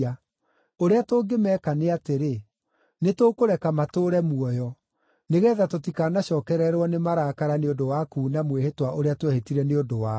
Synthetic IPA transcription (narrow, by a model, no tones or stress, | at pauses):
a | oɾeatoːɡemɛːkaneateɾe | netoːkoɾɛkamatoːɾɛmuɔjɔ | neɣɛːðatotikanaɕɔːkɛɾɛɾwɔnemaɾaːkaɾaneodowakuːnamwehetwaʔoɾeatwɛhetiɾɛneodowa